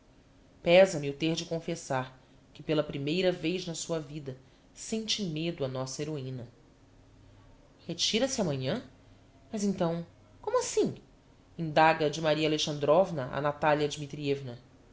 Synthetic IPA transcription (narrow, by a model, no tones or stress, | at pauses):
pɛzɐmɪʊt̪eɾd͡ʒɪkõfesaɾ | kɪpelɐpɾimejɾɐvejznɐsuɐvid̪ɐ | sẽnt͡ʃɪmed̪ʊɐnɔsɐeɾoĩnɐ | het͡ʃiɾɐsɪamɐ̃ɲɐ̃ | mɐzẽnt̪ɐ̃w̃ | kõmuasĩ | ĩnd̪aɡɐd͡ʒɪmaɾiɐaleʃɐ̃nd̪ɾɔvnɐʔa̰nat̪aljɐd͡ʒimit̪ɾievnɐ